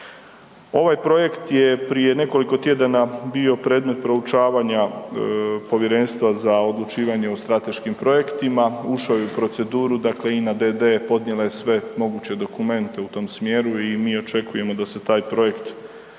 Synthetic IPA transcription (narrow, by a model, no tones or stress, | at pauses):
o̞ʋajpɾo̞je̞kt̪jepɾije̞ne̞ko̞liko̞t̪je̞d̪anabio̞pɾeːd̪me̞t̪̚pɾo̞ut͡ʃaːʋaɲa | po̞ʋje̞ɾe̞nst̪ʋazao̞d̪lˠut͡ʃiːʋaɲe̞ost̪ɾat̪e̞ʃkimpɾo̞je̞kt̪imauʃajeupɾo̞t̪se̞d̪uːɾud̪akle̞inad̪ed̪epo̞d̪nʲɲjelajesʋe̞mo̞ɡuːt͡ɕe̞d̪o̞kume̞nt̪e̞ut̪o̞ːmsmjeːɾuimiːo̞t͡ʃe̞kuje̞mo̞d̪ase̞t̪aːjpɾo̞je̞kt̪